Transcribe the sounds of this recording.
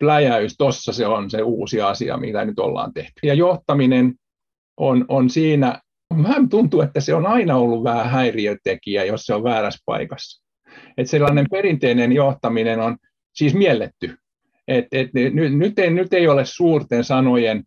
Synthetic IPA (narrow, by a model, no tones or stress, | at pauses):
plæjæyst̪osːɑseonseuːsiɑsḭɑ̰mḭt̪ænyt̪o̰lːɑ̰ːnt̪ḛht̪y̥jɑjoht̪ɑminen | ʔononsiːnæ | mæhmt̪unt̪uet̪ːæseonɑinɑolːuʋʋæhæhæiriøt̪ekiæjosseoʋʋæːɾæspɑ̰ikɑs | et̪selːɑːnemperint̪einenjoht̪ɑminenon | siːsmielːet̪ːy | ʔet̪et̪nynynyt̪enyt̪eiolessuːrt̪ensɑnojen